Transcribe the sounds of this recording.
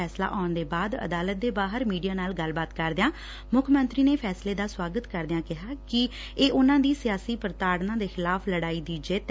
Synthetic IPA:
ɛːsla̰ːʔaːnd̪eːbaːd̪ə̰d̪aːlət̪̚d̪eːbaːɦəɾmiːɖijaːnaːlɡəlbaːt̪kəɾd̪ejãː | mʊkʰmənt̪ɾiːneːpʰɛːsleːd̪aːswaːɡət̪kəɾd̪ejãːkɪɦaːkɪ | eːʔʊnãːd̪iːsɪjaːsiːpəɾt̪aːɽnãːd̪eːxɪlaːpʰləɽaːiːd̪iːd͡ʒeːt̪

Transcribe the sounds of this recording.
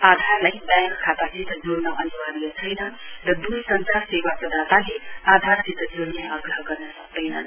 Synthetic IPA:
ad̪ʱaɾlajbãŋkkʰːat̪ad͡zit̪d͡zoɾnʌʔʌniwaɾijat͡sʰʌjnʌɾʌd̪usʌnt͡sasewaprʌd̪at̪alead̪ʱaɾd͡zit̪d͡zoɾneʌɡɾʌɦɡʌrnʌsʌk̚d̪ʌjnʌ

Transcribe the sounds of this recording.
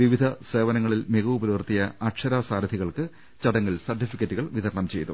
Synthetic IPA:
ʋiʋid̪ʱɐse̞ːʋɐnɐŋːɐɭilmeɣuːbɐɾuʋrt̪ijɐɐkʂɐɾaːsaːɾɐd̪ʱiɣɐɭkɨ | t͡ɕɐɽɐŋːilsɐrʈːifikʲːɐtːuɣɐɭʋid̪ʱɐɾɐɳɐmt͡ɕe̞̰jt̪u

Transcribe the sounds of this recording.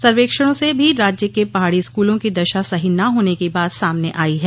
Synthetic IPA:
sɐɾʋeːkʃəɽ̃õsebʱiɾaːd͡ʒjəkepɐɦaːɽiɪskuːlõkid̪ɐʃasɐɦinɐɦoːnekibaːt̪saːmneʔaːiɦɛː

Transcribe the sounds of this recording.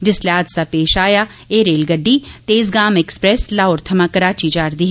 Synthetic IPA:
d͡ʒɪsleaːd̪saːpeːʃaːjaː | eːɾeːlɡəɖːiːt̪eːzɡaːmɛkspɾɛːslaːoːɾt̪ʰəmaːkəɾaːt͡ʃid͡ʒaːɾd̪iːɦɛ

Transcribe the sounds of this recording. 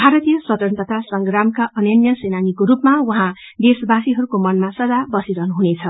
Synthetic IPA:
bʱaɾʌt̪ijʌsʌt̪ʌnt̪ʌt̪asʌŋɡɾamkaʌnjʌnjʌsenanikoɾupmawʌɦã | d̪esbasiɦʌɾukomʌnmasʌdd͡zabʌsiɾʌɦnuɦunet͡sʰʌ

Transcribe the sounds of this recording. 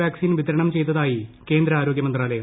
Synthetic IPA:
jaːksiːnʋid̪ɐɾɐɳɐmt͡ɕe̞jt̪ːɐðaːjike̞ːnd̪ɾɐaːɾo̞ːɡjɐmɐnd̪raːlɐjɐ

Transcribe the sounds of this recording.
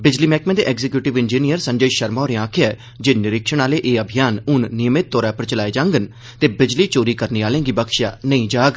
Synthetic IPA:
bɪd͡ʒliːmɛːkmẽːd̪ḛːʔɛːɡzɪkjuːʈɪʋɪnd͡ʒiːnijəɾsə̃ɲd͡ʒəiːʃəɾmaːɾẽãːkʰɪjaːɛ | d͡ʒeːnɪɾɪkʃəɳaːleːʔeːəbʱɪjaːnʊnːɪjəmɪt̪̚ːɔːɾaːpəɾt͡ʃəlaːeːd͡ʒãːŋɡən | t̪eːbɪd͡ʒliːt͡ʃoːɾiːkəɾniːaːlẽːɡiːbəkʃja̰ːnəĩːd͡ʒaːɡ

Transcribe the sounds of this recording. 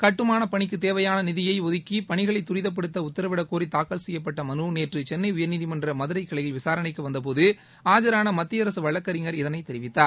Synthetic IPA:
kɐʈːɯmaːnɐpɐɳɪkːɯt̪eːʋɐjaːnɐnɪðɪjɐɪɔðɪkːipɐɳɪɣɐɭɐɪt̪ːʊɾɪðɐp̬ːɐɽɯt̪ːɐʊt̪ːɐɾɐʋɪɽɐkːoːrit̪aːkːɐlsɛjːɐpːɐʈːɐmɐnuneːʈrɯt͡ʃɛnːɐɪʊjɐɾniðimɐndrɐmɐðɯɾɐɪkːɐɭɐjɪlʋɪsaːɾɐnɐɪkːɯʋɐnd̪ɐp̬oːðɯ | aːd͡ʒɐɾaːnɐmɐt̪ːɪjɐɾɐsɯʋɐɭːɐkːɐɾɪŋɡɐɾɪðɐnɐɪt̪ɛɾɪʋɪt̪ːaːɾ

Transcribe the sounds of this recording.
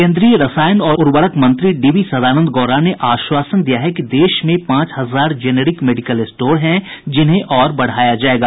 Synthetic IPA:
kẽːnd̪ɾijəɾɐsaːjənɔːʊɾʋəɾəkmɐ̃nt̪ɾiɖiːʋisɐd̪ʱaːnə̃nd̪ɡɔːɾaneʔaːʃwaːsənd̪ijaɦɛkid̪eːʃmẽpãːt͡ʃɦɐzaːɾd͡ʒeːneːɾɪkmeːɖɪkəlɪsʈoːɾɦɛ̃d͡ʒɪnɦẽʔɔːɾbɐɽ̤aːjad͡ʒaːeːɡaː

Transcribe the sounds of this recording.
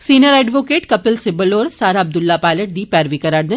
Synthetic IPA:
siːnjəɾɛːɖʋoːkeːʈkɐpɪlsɪbəloːɾsaːɾaɐb̚d̪ʊlːaːpaːɪləʈ̚d̪iːpɛːɾʋikəɾaːɾd̪ɪn

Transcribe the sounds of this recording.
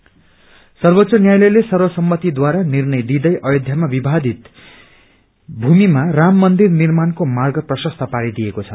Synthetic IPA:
sʌrbot̪sʌnjajlʌjlesʌrwʌsʌmːʌt̪id̪waɾanirnʌjd̪id̪ʌjʔʌjod̪ʱjamabibʱad̪it̪ | bʱumimaramːʌnd̪irnirmankomarɡʌprʌsʌst̪ʰʌpaɾid̪ijekot͡sʰʌ

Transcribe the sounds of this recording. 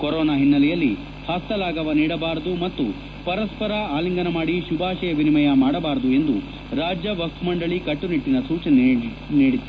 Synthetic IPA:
kɔɾɔːnaːɦinːɐlɛjɐlːi | hɐst̪ɐlaːɡɐʋɐniːɽɐbaːɾɐd̪umɐt̪ːu | pɐɾɐspɐɾɐaːliŋɡɐnɐmaːɽiʃubʱaːʃɛjɐʋinimɐjɐmaːɽɐbaːɾɐd̪ue̞nd̪u | ɾaːd͡ʒjɐʋɐst̪ʰumɐɳɖɐɭikɐʈːuniʈːinɐsuːt͡ʃɐn | niːɽit̪ːu

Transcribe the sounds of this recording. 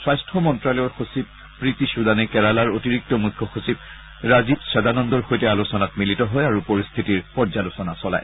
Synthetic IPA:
swajstʰɹɔmɔntɹalɔɔxosib̚ | pɹitisudanɛkɛɹalaɹotiɹik̚tɔmujkʰːɔxusib̚ | ɹazibsɛdanɔndɔɹxojtɛalusɔnatmilitɔɦɔjaɹupoɹist̪ʰitiɹpɔɹzalusɔnasɔla̰j

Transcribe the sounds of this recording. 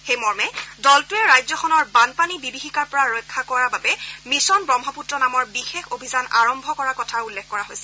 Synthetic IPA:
xejmɔɹmɛdɔltuɛɹajzɔxʰɔnɔɹbanpanibibixikaɹpɔɹaɹojkʰːakɔɹababɛmisɔnbɹɔmɦɔputɹɔnamɔɹbixexobʱizana̰ɹɔmbʱɔkɔɹakɔtʰaulːɛxkɔɹaɦojsɛ

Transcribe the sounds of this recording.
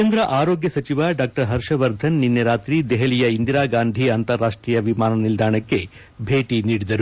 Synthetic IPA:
end̪ɾɐʔaːɾoːɡjɐsɐt͡ʃiʋɐɖaːk̚ʈɐɾɦɐɾʂɐʋɐɾd̪ʱɐnːinːɐɾaːt̪ɾid̪ɛɦɐlijɐind̪iɾaːɡaːnd̪ʱiɐnt̪ɐɾːaːʂʈɾiːjɐʋimaːnɐnild̪ʱaːɳɐkːe̞ | bʱeːʈiniːɽid̪ɐɾu

